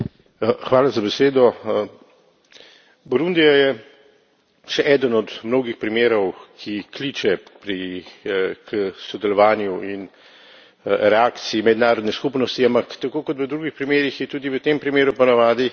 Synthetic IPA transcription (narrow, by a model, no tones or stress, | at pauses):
xʋaːlazabɛseːd̪ɔ | bɔɾund̪ijajɛ | ʃɛʔɛːd̪ənɔt̪mnoːɡixpɾimeːɾɔwkʰikliːt͡ʃɛpɾi | kʰəsɔd̪ɛlɔʋaːnjuin | ɾɛaːkt̪siːmɛd̪naːɾɔd̪nɛskupnɔst̪iampakt̪akoːkɔt̪ʋəd̪ɾuːɡixpɾimeːɾixjɛt̪uːd̪iʋət̪empɾimeːɾupɔnaʋaːd̪i